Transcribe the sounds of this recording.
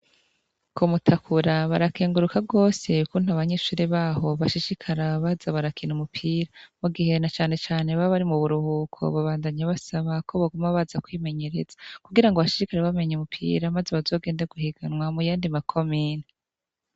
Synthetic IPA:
kʰumutʰakʰuɾaβaɾakeːŋɡuɾukʰab̚ɡo̞ːse̞ukun̥haβaɲe̞ːʃuːɾeβaːɦo̞βaʃiʃikʰaɾaβazaβaɾakʰinumupʰiːɾamuɡihe̞nat͡ʃaːne̞t͡ʃaːne̞βaβaɾimuβuɾuhuːkʰo̞̰βaβaːndaɲaβasaβakʰo̞βaɡomaβazakwiːmeɲe̞ɾe̞z̥akuɡiɾaŋɡoβaʃiʃikaɾaβame̞ɲumupʰḭːɾamazeβazo̞ːɡeːndeɡuhiɡ̥anwamujaːndimakʰo̞miːni

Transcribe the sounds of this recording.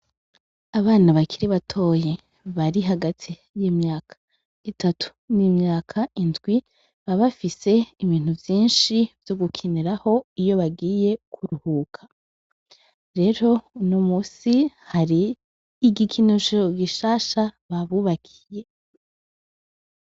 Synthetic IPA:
aβaːnaβakʰiɾiβatʰo̞ːje | βaɾiɦaɡatʰi | jiːmɲaːkʰḁ | itatʰu̥nimɲaːkʰaindɡwi | βaβafise̞iβiːn̥huvjiːnʃivjo̞ɡukʰiniɾaho̞ijo̞βaɡiːje̞kʰuɾuhukʰḁ | ɾe̞ɾo̞nomuːsi | haɾiː | ɡikʰinoʃooɡiʃaːʃaβaβuβakʰi̥je̞

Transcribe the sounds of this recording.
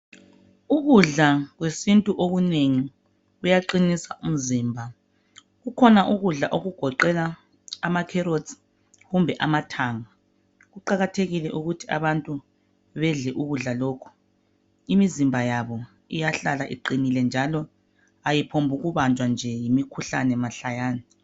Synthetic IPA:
uɣuɮaɣwesintʼuʔoɣuneŋi | ujaǃinisaʔum̩ziːmbʱa | ɣukʰɔnaʔuɣuɮaʔoɣuɡ̥ʱɔǃɛlaː | makʰɛɾodz | ɣumbʱɛʔamatʰaːŋa | ɣuǃaɣatʰeɣilɛʔuɣutʰia̰βantʼu | βɛɮɛʔuɣuɮaloːkʰu̥ | imizimbʱajaβɔ | ijaɬalaʔḭǃinilɛnd͡ʒʱalɔ | ajipʰombʱuɣuβand͡ʒʱwand͡ʒʱɛjimikʰuɬa̰nɛmaɬajaːnɛ

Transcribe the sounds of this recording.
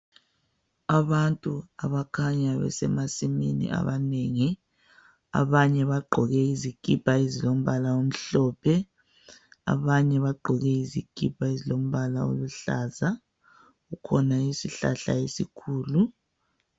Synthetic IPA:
aβantʼuaβakʰaɲaβɛ̰sɛmasimḭnḭʔa̰βaneːŋi | a̰βaɲɛβaɡ͡ǃʱɔɣɛiziɡ̥ʱʼipʰaezilom̩βalaom̩ɬɔːpʰɛ | a̰βaɲɛβaɡ͡ǃʱɔɣɛiziɡ̥ʱipʰʼaezilom̩βalao̰luɬaza | ɣukʰɔnaisiɬaɬa̰esikʰuːlu

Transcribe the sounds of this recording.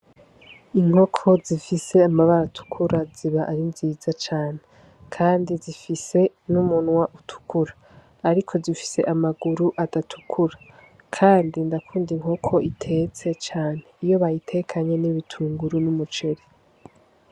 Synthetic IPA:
iŋ̥ho̞kʰo̞zifise̞amaβaɾatʰu̥kʰuɾaziβaʔaɾinziːzat͡ʃaːne̞ | kʰaːndizifise̞ | numunŋwaʔutʰu̥kʰuɾaː | ɾikʰo̞zifi̥se̞̰ʔamaɡuɾuʔadatʰu̥kʰuɾa | kʰaːndindakʰuːndiŋ̥o̞kʰo̞ʔitʰe̞ːt͡se̞t͡ʃaːne̞ijo̞βajitʰe̞kʰaɲe̞niβitʰuːŋɡuɾunumut͡ʃe̞ɾe

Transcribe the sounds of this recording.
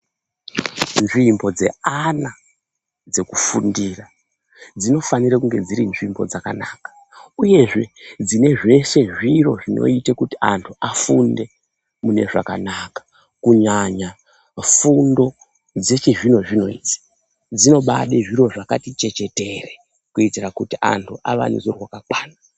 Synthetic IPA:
nʐimbo̞d͡ze̞̰ana | d͡ze̞kufundira | d͡zino̞fanirakuŋɡe̞d͡ziɾinʐimbo̞̰d͡zaka̰naːkḁ | uje̞ʐe̞d͡zine̞ʐe̞ʃe̞ʐiro̞ʐino̞̰itakutia̰ntʰuʔafunde̞ | mune̞̰ʐa̰ka̰nakḁ | kuɲaɲa | fundo̞ | d͡ze̞t͡ʃiʐino̞ʐino̞ḭd͡zi̥ | d͡zino̞ɓa̰ɗeʐiro̞ʐakatit͡ʃe̞t͡ʃe̞te̞re | kuitirakutiʔa̰ntʰuʔa̰ʋa̰nṵzowakakwaːna

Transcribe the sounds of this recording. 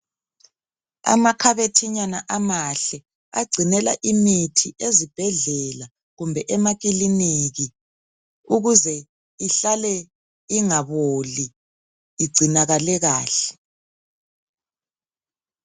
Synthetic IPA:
a̰makʰaβetʰiɲanaʔamaɬɛ | aɡ͡ǀʱinɛlaʔimitʰiʔezib̥ʱɛɮɛla | ɣumbʱɛʔɛmaɣiliniɣi | uɣuzɛ | iɬalɛ | iŋaβoliː | ɡ͡ǀʱinaɣalɛɣaːɬɛ̥

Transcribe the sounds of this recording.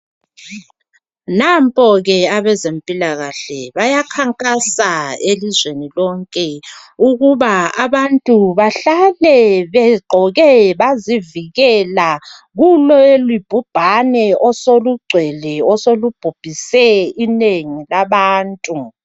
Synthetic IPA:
nampʼɔɣɛaβɛzempʼilaɣaɬɛβajakʰaŋkʼasaelizwenilɔŋkʼɛuɣuβaaβantʼuβaɬalɛβɛɡ͡ǃʱɔɣɛβaziviɣɛla | ɣulɔelwib̥ʱub̥ʱanɛʔɔsoluɡ͡ǀʱwɛlɛɔsolub̥ʱub̥ʱisɛineŋilaβaːntʼu

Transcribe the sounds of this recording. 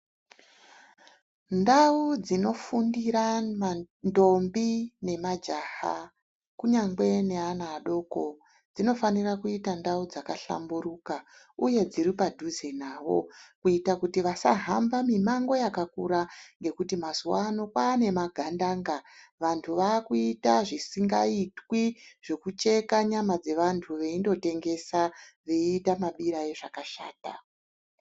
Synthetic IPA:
ndaud͡zino̞fundiɾama | ndo̞mbine̞mad͡ʒaha̰ | kuɲaŋɡwe̞ne̞anaːɗo̞ko̞ | d͡zino̞fanirakuitandaud͡zakaɬa̰mbuɾuka | uje̞d͡ziripadʱuzenaːʋo̞̰kuitakutiʋasa̰ɦambamimaŋɡo̞jakakuɾaŋɡe̞kutimazuwano̞kwaːne̞maɡʱandaːŋɡaʋantʰuʋaːkuitaʐisiŋɡaitwiʐ̥e̞kut͡ʃe̞kaɲamad͡ze̞ʋantʰuʋe̞indo̞te̞ŋɡe̞saʋe̞iːtamaɓiɾae̞ʐakaʃaːta

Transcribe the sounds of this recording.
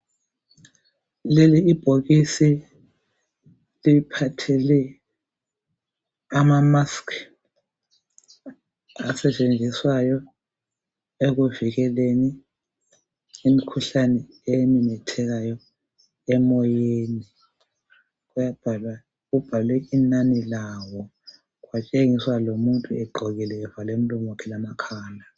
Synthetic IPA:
leliːb̥ʱoɣisi | lipʰatʰɛlɛ | amamaskʰ | asɛt͡ʃʼend͡zʱiswajɔ | eɣ̬uviɣɛleni | imikʰuɬanɛ | eminɛtʰɛɣ̬ajɔ | ɛmɔjeːni | ɣujab̥ʱalwa | kub̥ʱalwɛinanilawɔ | kwat͡ʃʼeŋiswalomuntʼuɛɡ͡ǃʱɔɣilɛːvalem̩lɔmwɔkʰɛlamakʰaːla

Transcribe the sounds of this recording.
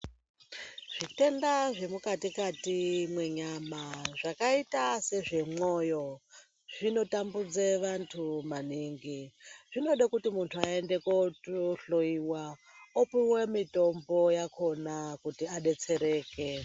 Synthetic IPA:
ʐ̥ite̞ndaʐe̞mukatikatimwe̞ɲamaʐakaitase̞ʐe̞mo̞ːjo̞ | ʐ̥ino̞tambud͡zeʋantʰumaniːŋɡiʐino̞ɗakutimuntʰuaende̞kooɬo̞iwa | opiwemito̞mbo̞jakʰo̞nakutiaɗe̞t͡se̞ɾe̞ːke

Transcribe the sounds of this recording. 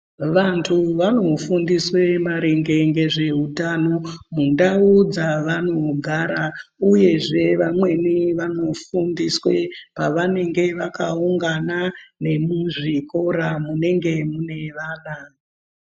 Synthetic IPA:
ʋantʰuʋano̞fundiswe̞maɾeŋɡe̞ŋɡe̞ʐe̞ɦutano̞mundaud͡zaʋano̞ɡʱaɾauje̞ʐe̞ʋamwe̞niʋano̞fundiswe̞paʋane̞ŋɡe̞ʋakauŋɡanane̞muʐiko̞ɾamune̞ŋɡe̞mune̞ʋaːna

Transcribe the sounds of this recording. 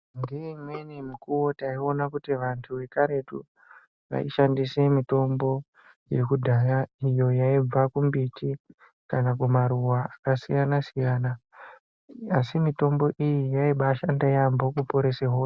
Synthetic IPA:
ndimwenimikuwo̞taio̞nakutiʋantʰuʋe̞kaɾe̞tṵ | ʋa̰ḭʃandise̞mito̞mbo̞ | jiekudʱajaijo̞jaib͡vakumbiti | kanakumaɾuwaakasḭjanasijaːna | asimito̞mbo̞ʔijijaiɓaʃandajambo̞kupo̞ɾe̞seɦoː

